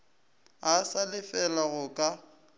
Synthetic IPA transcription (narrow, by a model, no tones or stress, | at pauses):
asalɪfɛlaɣʊkʼa